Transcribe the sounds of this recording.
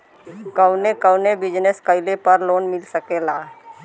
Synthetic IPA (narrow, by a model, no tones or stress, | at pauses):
kəʊnekəwnebɪd͡ʒneskəɪlepəɾloːnmɪlsəkelaː